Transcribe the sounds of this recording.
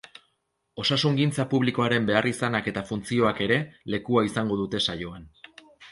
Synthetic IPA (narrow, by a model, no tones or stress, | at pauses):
o̞sasuŋɡint͡sapuβliko̞aɾe̞mbe̞arisanake̞t̪afunt͡sio̞ake̞ɾe̞le̞kuaisaŋɡo̞ðut̪e̞sajo̞an